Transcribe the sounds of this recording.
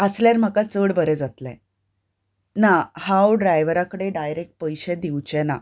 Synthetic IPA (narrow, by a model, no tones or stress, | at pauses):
əsljaɾm̤əkat͡səɽbəɾɛd͡zat̪lɛ̰̃ | nahawɖɾajʋəɾakəɽeɖajɾek̚ʈ̚pəjɕɛd̪iwt͡ɕɛna̰